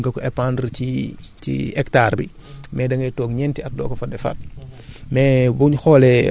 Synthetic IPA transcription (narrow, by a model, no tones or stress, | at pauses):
ŋɡɐkɔɛpandɾicḭɛktaːrbḭ | mɛːdɐŋɡɛtɔːkɲɛntiɐt̚dɔ̰ːkɔfɐdɛfɐ̰t̚ | mɛbuɲxɔlɛ